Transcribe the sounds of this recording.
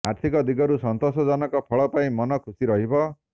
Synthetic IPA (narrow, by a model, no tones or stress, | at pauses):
aɾt̪ʰikɔd̪iɡɔɾusɔnt̪ɔsɔd͡ʒɔnɔkɔpʰɔɭɔpaĩmɔnɔkʰusiɾɔɦibɔ